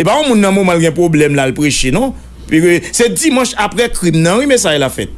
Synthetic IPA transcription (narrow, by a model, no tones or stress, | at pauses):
sepaɔ̃mũnːɐ̃momãlɡɛ̃pʁoblɛmlalpɣeʃenõ | pikøsɛd͡zimɐ̃ʃapɣɛkɣimnɐ̃wimesajlafɛt̪̚